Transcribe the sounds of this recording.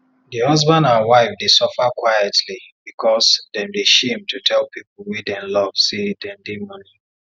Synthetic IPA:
dihʌzbãndãnwaɪfdesɔfakwajɛtʰlibikʰɔsdɛ̃mdeʃẽmtʰutʰɛlpʰipl̩ˠwidɛ̃nlɔv̥sedɛ̃ndemɔni

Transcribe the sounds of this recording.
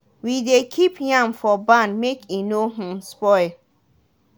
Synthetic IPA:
widekʰipjãmfɔbãnmekʰinoɦĩmspɔɪl

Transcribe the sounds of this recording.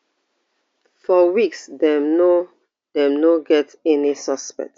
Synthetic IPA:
fɔwiksdɛ̃mno | dɛ̃mnoɡɛtɛnisɔspɛ̰k̚t

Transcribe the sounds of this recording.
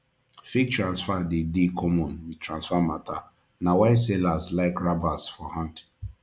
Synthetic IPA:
fit͡ʃtɹãnsfadedikʰɔmɔ̃nwitɾãnsfamata | nawaɪsɛlaslaɪkɹabasfɔhãnt

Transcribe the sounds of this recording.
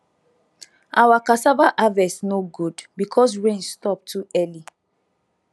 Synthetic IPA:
ʔawakasavaʔavɛsnoɡudbikʰɔs̬ɹẽnstɔp̚tʰuɛli

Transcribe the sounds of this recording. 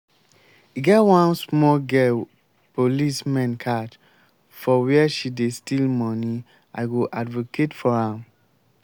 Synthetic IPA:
iɡɛtwãnsmɔlɡɛl | pʰolismɛ̃nkʰat | fɔwiɛʃidestilmɔ̃ni | a̰ɪɡoʔadvokʰetfɔhãm

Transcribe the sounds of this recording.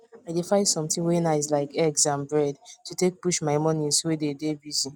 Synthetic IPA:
aɪdefãɪsɔ̃mtĩwenaɪslaɪkɛɡsãnbɹɛdtutek̚puʃmaɪmɔ̃nĩswededebizĩ

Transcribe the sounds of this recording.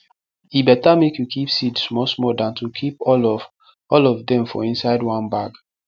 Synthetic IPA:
ibɛtamekjukʰipsidsmɔsmɔdãntʰukʰipɔlɔ | ɔlɔvdɛ̃mfɔ̰ĩnsaɪdwãnbaɡ

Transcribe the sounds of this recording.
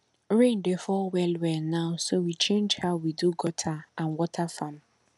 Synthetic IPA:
ɹẽndefɔwɛlwɛnãʊsowit͡ʃẽnd͡ʒhaʊwiduɡɔtʰaʔãnwɔtʰafãm

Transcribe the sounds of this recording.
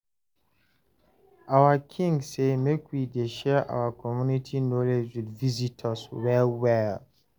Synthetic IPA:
awakʰĩŋɡsemẽkʰwidɛʃɛʔa̰wakʰɔmjunitʰinoled͡ʒwidvizitʰəswɛlwɛl

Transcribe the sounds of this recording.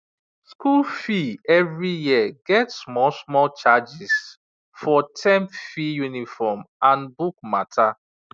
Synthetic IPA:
skulfiɛvɹijiəɡɛtsmɔsmɔlt͡ʃad͡ʒis | fɔtʰɛ̃mpfijunifɔmʔãnbuk̚matʰa

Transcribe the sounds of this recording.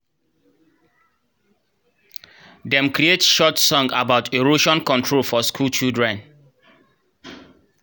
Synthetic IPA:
dɛ̃mkɾietʃɔtsɔ̃ŋɡabaʊtʰeɹoʃɔ̃nkɔ̃ntʰɹolfɔskʰult͡ʃildɹɛ̃n

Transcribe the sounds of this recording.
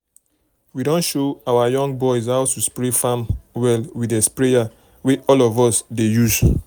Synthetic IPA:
widɔ̃nʃoawajɔ̃ŋɡ̚bɔɪzaʊtuspɹefãmwɛlwidespɹeja | weʔɔlɔvɔsdejuz

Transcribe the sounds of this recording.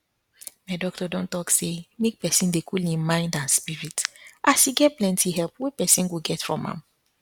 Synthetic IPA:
maɪdɔk̚tɔdɔ̃ntɔksemek̚pɛsĩndekʰulĩnmãɪ̃ndãnspiɹitʔaʃiɡɛt̚plɛ̃ntʰiɦɛlpwepɛsĩnɡoɡɛtfɹɔ̰̃mã̰m

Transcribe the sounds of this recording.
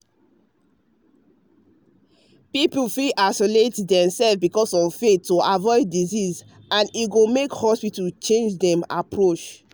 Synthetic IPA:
pipl̩fiʔasoletdɛ̃msɛlfbikɔsɔvfetːoʔavɔɪdːiziz | ãniɡomekhɔspitalt͡ʃẽnd͡ʒdɛ̃ma̰pɹot͡ʃ

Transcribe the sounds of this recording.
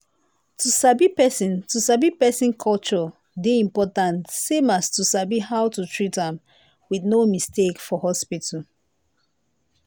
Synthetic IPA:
tʰusabipɛsĩntusabipɛsĩnkʰɔlt͡ʃɔ | deĩmpɔtãntsẽmastusabihawtutʰɹitãm | wiðnomistekfɔhɔspitu

